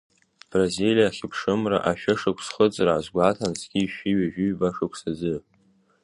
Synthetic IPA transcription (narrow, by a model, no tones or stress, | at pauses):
b̥razilijaχʲɪpʰʂɨmra̰ʔaʃᶣaʂɨkʷʰsχət͡sʼrazɡʷatʰansʰɡʲiʃᶣiɥaʒᶣɪɥbaʂɨkʷʰsad͡zɨ